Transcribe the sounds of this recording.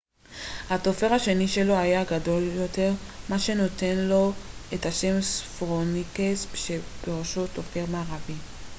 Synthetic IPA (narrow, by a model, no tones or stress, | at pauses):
hato̞fe̞ʁaʃe̞niʃe̞lo̞ajaɡado̞ljo̞te̞ʁmaʃe̞no̞te̞nlo̞ethaʃe̞msfʁonikesʃeb̥eʁoʃoto̞fe̞ʁmaːʁavi